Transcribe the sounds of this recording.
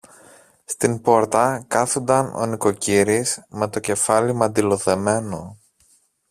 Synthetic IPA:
st̪impo̞ɾt̪ɐkɐθond̪ɐno̰niko̞ciɾisme̞t̪o̞ce̞fɐlimɐnd̪ilo̞θe̞me̞no

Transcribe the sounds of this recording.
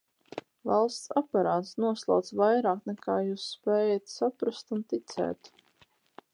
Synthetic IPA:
valˠst̪sapaɾaːt̪snuɔslˠa̰wt̪svajɾaːknɛkʰaːjuːsːpɛːjat̪sapɾast̪unt̪it̪sɛ̰ːt̪

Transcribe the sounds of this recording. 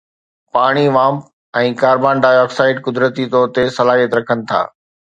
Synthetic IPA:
paːɽ̃iʋãːm | ɛ̃ːkaːɾbaːnɖaːjɔːksaːɪɖkʊd̪ɾət̪it̪ɔːɾt̪esɐlaːɦijət̪ɾɐkʰənɪ̆t̪ʰa̰ː

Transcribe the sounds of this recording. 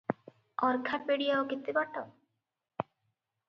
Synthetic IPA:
ɔɾkʰapeɽijaokit̪ibaʈɔ

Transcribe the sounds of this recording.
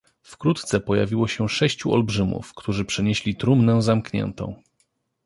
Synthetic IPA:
fkɾut̪t̪sɛpɔjavʲiwɔɕɛʂɛɕt͡ɕuʔɔ̰lbʐɘmṵfkt̪uʐɘpʂɛɲeɕlʲit̪ɾumnɛ̃zamkɲɛ̰nt̪ɔ̰̃w̃

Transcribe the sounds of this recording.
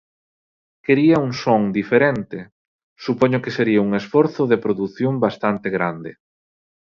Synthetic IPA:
keɾiɐuŋsoŋd̪ifeɾent̪e | supɔɲokeseɾiauŋesfɔɾθʊðepɾoðuθjombast̪ant̪eɣɾand̪ɪ̰

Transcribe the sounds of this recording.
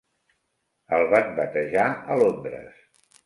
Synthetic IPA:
əlˠβat̪̚bət̪əʒaəlombɾə̰s

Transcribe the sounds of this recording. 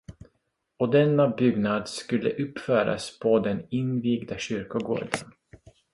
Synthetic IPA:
ɔd̪ɛnːabʏɡnad̪skɵlːə̰ʔɵpːfœːɾa̰spʰɔd̪ɛnɪnviːɡd̪aɕʏɾkʊɡo̰ːɖə̰n

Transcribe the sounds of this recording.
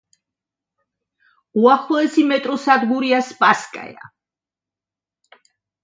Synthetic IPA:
uaχlˠɔɛsimɛt̪ʼɾɔsad̪ɡuɾiaspʼaskʼa̰ja̰

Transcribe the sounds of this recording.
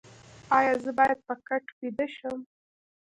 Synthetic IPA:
ɑjɑzəbɑjad̪̚pəkaʈpid̪əʃəm

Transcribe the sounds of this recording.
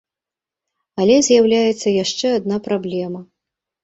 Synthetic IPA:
ɐlʲɛzʲjawlʲajɛt̪sːɐjaʂt͡ʂɛad̪̚napɾablʲɛmɐ

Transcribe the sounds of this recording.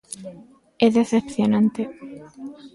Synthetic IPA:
eðeθepθjonãnt̪e

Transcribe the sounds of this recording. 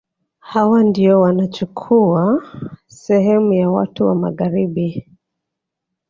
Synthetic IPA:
hawandiɔwanat͡ʃukʰuasɛhɛmujawa̰tuwa̰ma̰ɣaɾiɓi

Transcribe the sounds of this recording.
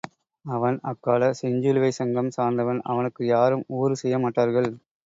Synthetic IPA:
ɐʋɐnɐkːaːlɐsɛɲd͡ʒɯlʋɐɪsɐŋɡɐmsaːɾnd̪ɐʋɐnɐ̰ʋɐnɯkːɯjaːɾɯmuːɾɯsɛjːɐmaːʈːaːɾɣɐɭ

